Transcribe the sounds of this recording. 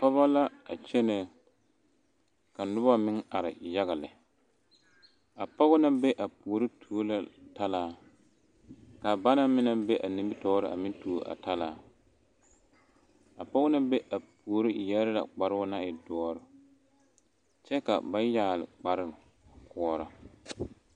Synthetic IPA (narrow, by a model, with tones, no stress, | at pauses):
pɔ˦ba˦la˦a˨t͡ʃɛ˦nɛ˦˨ | ka˨nʊ˦ba˦mɪ˦ŋa˨ɾɪ̰˨ja˦ɣa˨lɪ˨ | a˨pɔ˦ɣʊ˦na˦be˦ʔa˨pu˨o˨ɾɪ˦tʰu˦o˦la˦ta˦laː˦ | ka˨ba˦na˦mɪ˦na˦bɛ˦ʔa˨ni˨mbi˦tɔː˦ɾɪ˦˨a̰˨mɪ˦n˦tu˨ʔa̰˨ta˦laː˦ | a˨pɔ˦ɣʊ˦na˦be˦ʔa˨pu˨o˨ɾɪ˦˨jɛ˦ɾɪ˦la̰˨k͡pa˨ɾɪ˦ʊ˦na˦ɪ˨dɔ˦ɔ˦ɾʊ˨ | t͡ʃɛ˦ka̰˨ba˦jaː˦˨lɪ̰˨k͡pa˨ɾɪ˦˨ | kʊ˦ɔ˦ɾa˨